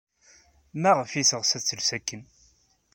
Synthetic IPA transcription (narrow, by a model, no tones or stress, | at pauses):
mæʁəfisəʁsæt͡sːəlsækːən